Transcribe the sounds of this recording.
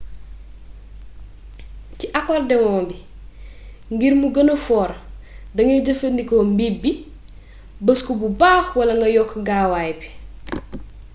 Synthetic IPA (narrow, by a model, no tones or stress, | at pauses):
tiʔɐkɔːrdɛwɔːmbi | ŋɡiɾmuɡɐnɐfɔːɾ | dɐŋɡɐɟəfɐndikombibi | bəskububaːxwɐlɐŋɡɐjɔkʰːɡaːwajbi̥